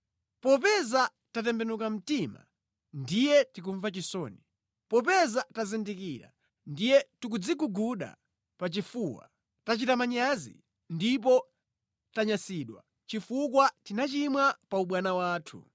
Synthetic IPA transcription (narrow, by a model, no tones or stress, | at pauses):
pɔp̬ɛza | tat̬ɛmbɛnukam̩tima̰ | ndijɛtik̬uɱvat͡ʃisɔːni | pɔp̬ɛzatazindikiɾa̰ | ndijɛtuk̬ud͡zikuɡuɗa̰ | pat͡ʃifuwa̰ | tat͡ʃitamaɲazḭ | ndip̬ɔ | taɲasiɗwa̰ | t͡ʃifukwatinat͡ʃimwapauɓwanawaːtʰṵ